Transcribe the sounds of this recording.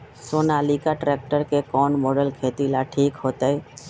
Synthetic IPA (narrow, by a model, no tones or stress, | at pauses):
soːnaːlikaʈɾeːk̚ʈəɾkekɔːnmoːɖəlkʰeːt̪ilaʈʰiːkɦoːt̪aɛ